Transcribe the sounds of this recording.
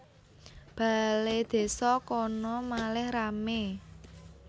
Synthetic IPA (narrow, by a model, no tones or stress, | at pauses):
b̥a̤led̪̥e̤sɔkɔnɔmalɛhrame